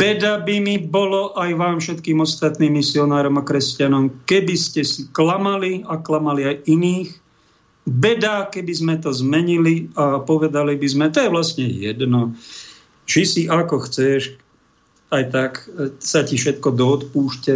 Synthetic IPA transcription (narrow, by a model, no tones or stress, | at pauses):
b̥ɛd̪abimibɔlɔʔajʋaːmfʃɛt̪kiːmɔst̪at̪niːmːisiɔnaːɾɔmakɾɛscanɔmkɛbiscɛsiklamaliaklamaliajiniːx | bɛd̪akɛbizmɛt̪ɔzmɛɲiliapɔʋɛd̪alibizmɛt̪ɔjɛʋlast̪ɲɛjɛ̰d̪nɔ | t͡ʃisiʔakɔxt͡sɛʃ | ajt̪aksacifʃɛt̪kɔd̪ɔːt̪puːʃcɛ